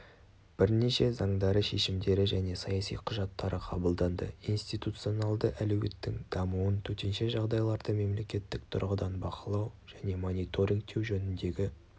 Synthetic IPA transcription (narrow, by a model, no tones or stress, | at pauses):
b̥ɪɾneʃe̞zɑɴd̪ɑɾəʃe̞ʃɪmd̪e̞ɾɪʒæne̞sɑjɑsḭjqʰʊʒɑt̪ːɑɾəqʰɑbəlˠd̪ɑnd̪ə̰inst̪it̪ut̪sio̞nɑlˠd̪əʔælɵɡʲet̪ːɪ̰ŋd̪̥ɑmuənt̪ʰɵt̪e̞nʃe̞ʒɑʁd̪ɑjlˠɑɾd̪əme̞mle̞kʲe̞t̪ːɪk̚t̪ʰʊ̰ɾʁəd̪ɑnbɑqəlˠɑwʒ̥æne̞mo̞nijt̪ʰo̞ɾʲiŋk̚t̪ʰːe̞wʒɵnɪnd̪e̞ɡʲɪ